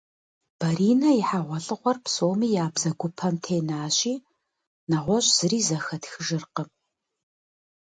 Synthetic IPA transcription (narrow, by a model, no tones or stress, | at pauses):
b̥ɐɾiːnɐɪħaʁʷɔɬʼɨʁʷɔrpʰsoːmiːjaːbzɐɡʷʊpʰɐmtʰeːnaːɕʼiː | naʁʷɔɕʼz̥ɨriːzɐxɐtxɨʒɨrqə